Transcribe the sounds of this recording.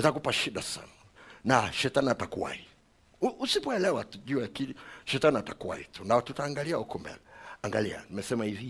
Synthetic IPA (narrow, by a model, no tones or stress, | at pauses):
ɛtakupaʃiɗasa̰na | naʃɛtaniatakuwa̰hi | uʔusipɔɛlɛwatuʄuaakiliʃɛtaniatakuwa̰hḭtunaɔtutaːŋɡaliaukɔmbɛ̰lɛaŋɡalia̰nimɛsɛmahivi